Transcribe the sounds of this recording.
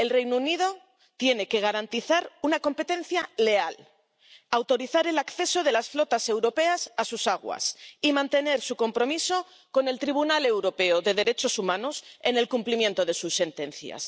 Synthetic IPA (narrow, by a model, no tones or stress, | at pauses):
e̞lrejnunið̞o̞ | t̪je̞ne̞ke̞ɣ̞aɾant̪iθaɾunako̞mpe̞t̪e̞nθjale̞al | awt̪o̞ɾiθaɾe̞lakθe̞so̞ð̞e̞lasflo̞t̪ase̞wɾo̞pe̞asasusaɣ̞wa̰simãnt̪e̞ne̞ɾsuko̞mpɾo̞miso̞ | ko̞ne̞lt̪ɾiβ̞unale̞wɾo̞pe̞oðe̞ð̞e̞ɾe̞t͡ʃo̞sumãnose̞ne̞lkumplimjẽ̞nt̪o̞ð̞e̞susːe̞nt̪ẽ̞nθja̰s